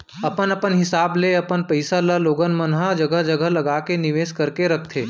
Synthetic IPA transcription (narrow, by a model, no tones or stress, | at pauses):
ɐpənɐpənɦɪsaːbleɐpənpəɪsalaloːɡənmənɦad͡ʒɐɡəɦd͡ʒɐɡəɦlɐɡaːkenɪʋeːskɐɾkeɾɐk̚ʰt̪ʰeː